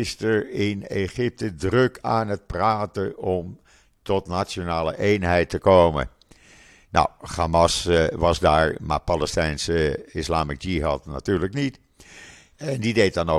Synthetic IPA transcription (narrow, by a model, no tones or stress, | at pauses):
ɪstəɹɪneχɪp̚tədrøkʰaːnət̚praːtəɔm | tɔtnasjonaːlə̰ʔejnɦɛjtəkoːmə̰ | na̰wχaːmɑsʋɑsdaːɹma̰paləstɛjnsəɪslaːmikd͡ʒiɦɑtna̰tyːɹləknit | ɛndideːt̚dɑno